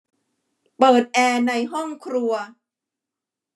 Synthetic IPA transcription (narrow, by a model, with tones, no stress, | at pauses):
pɤː˨˩t̪̚ʔɛː˧na˧jɦɔ˥˩ŋkʰɾu˧ɐ